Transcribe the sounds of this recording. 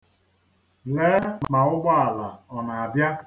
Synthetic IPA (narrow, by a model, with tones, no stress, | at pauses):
leː˦mma˨ʊ˦ɡ͡ba˦a˨la˨ɔ˨na˨a˨bja˦